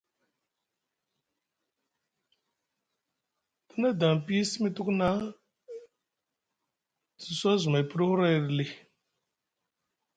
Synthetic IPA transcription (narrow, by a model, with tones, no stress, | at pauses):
tu˦na˦da˨ŋ˨pi˦si˦mi˦tu˦kna˦ | zi˨sa˦zu˨ma˨i˨pu˦ɾu˦hu˦ɾa˦˨ɾi˨li˨